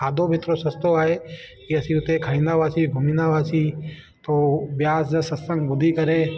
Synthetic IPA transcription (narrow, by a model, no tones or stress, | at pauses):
aːd̪ʱobʱɪt̪ɾoːsɐst̪oaːɦekiɐsĩʊt̪ekʰəɽinaːʋaːsiːɡʱʊmiːnaːʋaːsiː | t̪oːbjaːsd͡ʒəsəssə̃ŋɡbʊd̪ʱikɐɾeː